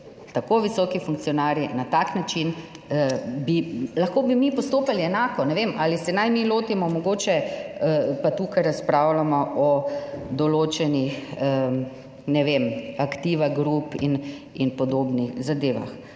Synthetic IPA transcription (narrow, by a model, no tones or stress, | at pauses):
t̪akoːʋisɔkifuŋk̚t̪sijɔnaːɾjinat̪aknat͡ʃin | əbilɐxkoːbimipɔst̪oːpaliɛnaːkɔnɛʋemʔalisɛnajmiloːt̪imɔmɔɡoːt͡ʃɛəpat̪uːkajɾaspɾawlamɔʔɔd̪ɔloːt͡ʃɛnixə | nɛʋemakt̪iːʋaɡɾupḭn | inpɔd̪oːbnixzad̪eːʋa̰x